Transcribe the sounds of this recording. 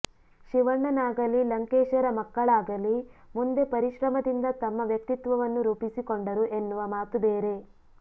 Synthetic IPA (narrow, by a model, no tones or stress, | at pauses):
ʃiʋɐɳːɐnaːɡɐlilɐŋkeːʃɐɾɐmɐkːɐɭaːɡɐlimund̪e̞pɐɾiʃɾɐmɐd̪ind̪ɐt̪ɐmːɐʋjɐk̚t̪it̪ʋɐʋɐnːuɾuːpisikoɳɖɐɾuʔe̞nːuʋɐmaːt̪ubeːɾe̞